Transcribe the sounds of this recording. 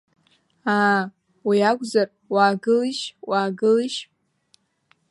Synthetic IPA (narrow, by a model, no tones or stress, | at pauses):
a | wiakʷʼzar | waːɡɨliʃwaːɡɨliʃ